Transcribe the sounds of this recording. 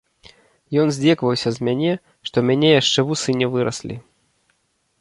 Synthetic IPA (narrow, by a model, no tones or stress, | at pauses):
jɔnzʲd͡zʲɛkvɐwsʲɐzmʲanʲɛ | ʂt̪ɔmʲanʲɛjaʂt͡ʂɛvusɨnʲɛvɨɾɐsʲlʲḭ